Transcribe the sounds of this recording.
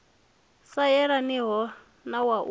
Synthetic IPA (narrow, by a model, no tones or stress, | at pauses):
sajɛɺaniɦɔ | nawaʔu